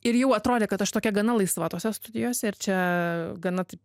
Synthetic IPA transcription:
ɪɾjɛʊɐt̪ɾoːd̪ʲeːkɐt̪ɐʃt̪oːkʲɛɡɐnɐlˠɐɪsʋɑːt̪oːsʲɛst̪ʊd̪ʲɪjoːsʲɛɪɾt͡ʃʲɛɡɐnɐt̪ɐɪp

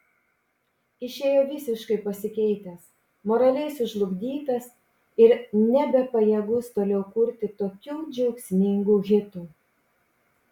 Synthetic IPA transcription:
ɪʃʲeːjoːʋʲɪsʲɪʃkɐɪpɐsʲɪkʲɛɪt̪ʲɛs | moːɾɐlʲɛɪsʊʒlˠʊɡʲd̪ʲiːt̪ɐs | ɪɾnʲɛbʲɛpɐjɛɡʊst̪oːlʲɛʊkʊɾʲt̪ʲɪt̪oːkʲuːd͡ʒʲɛʊksʲmʲɪŋɡuːɣʲɪt̪uː

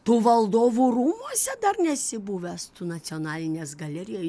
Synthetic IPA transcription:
t̪uːʋɐlˠd̪oːʋuːɾuːmuɔsʲɛd̪ɐrnʲɛsʲɪbuːʋʲɛst̪uːnɐsʲɪɔnɑːlʲɪnʲeːsɡɐlʲɛɾʲɪjɛ

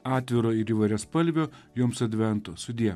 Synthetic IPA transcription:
ɑːt̪ʲʋʲɪɾoːɪɾiːʋɐɪɾʲɛspɐlʲʋʲoːjoːmsɐd̪ʲʋʲɛnt̪oːsʊd̪ʲiɛ

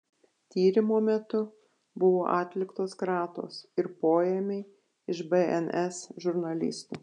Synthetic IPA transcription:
t̪ʲiːɾʲɪmoːmʲɛt̪ʊ | bʊʋoːʔɑːt̪ʲlʲɪkt̪oːskɾɑːt̪o̰ːsɪɾpoːjɛmʲeɪ | ɪʃbɛɛnɛsʒʊɾnɐlʲɪ̰st̪ṵː

